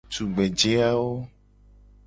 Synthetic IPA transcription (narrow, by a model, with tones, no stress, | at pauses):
tu˨ɡ͡be˨d͡ʒe˦a˦wo˦